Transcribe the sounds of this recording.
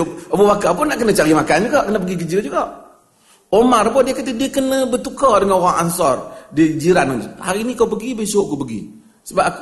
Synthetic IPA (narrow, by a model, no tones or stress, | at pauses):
əbəwakakunaʔkənət͡ʃaɾimakand͡ʒuɡaʔkənəp̬əɡiɡəd͡ʒiɾand͡ʒuɡaʔ | omarbɔdiəkət̪idiəkənəbət̪ukɔdəŋanɾaŋa̰nsɔrdiəkəd͡ʒiɾanonha̰ɾinikawpəɡibəsoʔkupəɡḭ | səba